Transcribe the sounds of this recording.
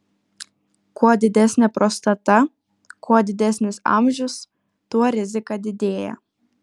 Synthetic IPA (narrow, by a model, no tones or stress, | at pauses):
kuɔd̪ʲɪd̪ʲɛsʲnʲɛpɾoːst̪ɐt̪ɐ | kuɔd̪ʲɪd̪ʲɛsʲnʲɪsɑ̰ˑmʲʒʲʊs | t̪uɔɾʲɪzʲɪkɑd̪ʲɪd̪ʲeːjɛ̰